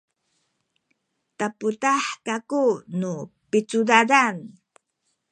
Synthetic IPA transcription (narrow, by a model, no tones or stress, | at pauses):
taputaħkakunupit͡sudadan